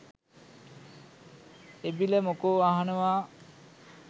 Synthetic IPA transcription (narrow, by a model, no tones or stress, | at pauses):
ebilemokoaɦanəʋaː